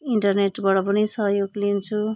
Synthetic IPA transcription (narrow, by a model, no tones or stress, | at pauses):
iɳʈʌrneʈbaɽʌpʌnisʌɦjoɡlint͡sʰu